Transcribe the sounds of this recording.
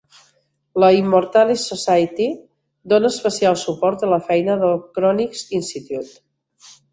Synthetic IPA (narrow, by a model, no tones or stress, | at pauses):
ləimːuɾt̪alisosajt̪i | d̪onəːspəsialˠsupɔɾt̪ələfɛjnəðəlˠkɾɔnikzinsit̪jut̪